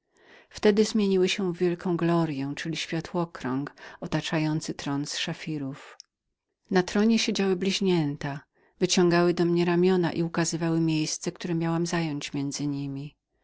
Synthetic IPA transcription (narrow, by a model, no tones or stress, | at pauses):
ft̪ɛd̪ɘzmʲjeɲiwɘɕɛ̃vʲjɛlkɔ̃w̃ɡlɔɾjɛw̃t͡ʂɘlʲiɕfʲjat̪wɔkɾɔŋkɔt̪at͡ʂajɔnt̪sɘt̪ɾɔnsʂafʲiɾuf | nat̪ɾɔɲɛɕed͡ʑawɘblʲiʑɲɛnt̪a | vɘt͡ɕɔ̃ŋɡawɘd̪ɔmɲɛɾamʲjɔnaʔiukazɘvawɘmʲjejst̪sɛk̚t̪uɾɛmʲjawamzajɔɲt͡ɕmʲjɛnd̪zɘɲimʲi